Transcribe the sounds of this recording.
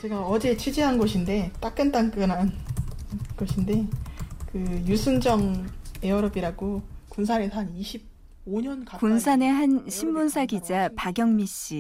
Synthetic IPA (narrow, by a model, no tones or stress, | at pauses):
t͡ɕe̞ɡaʌd͡ʑe̞t͡ɕʰwid͡ʑiɦanɡʌɕʰinde̞t͈ak͈ɯnt͈aŋk͈ɯnɦan | kʌɕʰinde̞kɯjusʰɯnd͡ʑʌŋe̞ʌɾʌbiɾaɡokuns̬ʰanesʰaniɕʰib̚ | oɲʌnkakunsʰane̞ɦanɕʰimːunsʰaɡid͡ʑapaɡjʌŋmiɕ͈i